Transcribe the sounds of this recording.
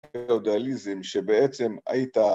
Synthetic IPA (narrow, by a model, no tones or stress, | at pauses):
eod̪ealizimʃebeet͡sema̰jit̪a